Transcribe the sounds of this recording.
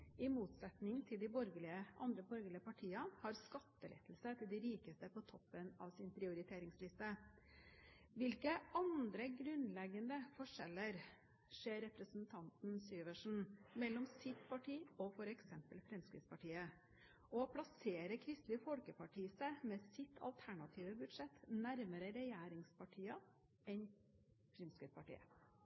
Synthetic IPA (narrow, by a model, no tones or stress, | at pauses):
ɪmuːt̪sɛt̪nɪŋt̪ʰɪld̪ɪbɔɾɡəlɪəʔɑ̰nd̪ɾəbɔɾɡəlɪəpɑʈʰiːɑnhɑɾskɑt̪ːəlɛ̰t̪əlsət̪ʰɪld̪ɪɾiːkəst̪əpɔt̪ʰɔpːənɑʋsɪnpʰɾɪʊɾɪt̪ʰeːɾɪŋslɪst̪ə | ʋɪlkəɑnd̪ɾəɡɾʉnlɛɡːənd̪əfɔʂɛlːəɾ | ʂeːɾɛpɾəsn̩t̪ʰɑnt̪n̩syːʋəʂn̩mɛlːɔmsɪt̪pʰɑʈʰiːɔfɔɾɛksɛmpəlfɾɛmskɾɪ̰t̪spʰɑʈʰiːə | ɔpʰlɑseːɾəkʰɾɪst̪lɪfɔlkəpʰɑʈʰiːsəmɛːsɪt̪ʰɑ̰lt̪ʰæɳɑt̪ʰiːʋəbʉd̪ʂɛt̪næɾməɾəɾɛjæːɾɪŋspʰɑʈʰiːɑ | ɛn | fɾɛmskəpʰɑʈḭːə̰